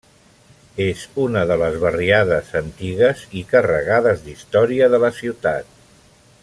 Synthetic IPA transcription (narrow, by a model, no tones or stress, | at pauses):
ezunəðələzβəriaðəzənt̪iɣəzikərə̰ɣaðəzd̪ist̪ɔɾiəðələsiwt̪a̰t̪̚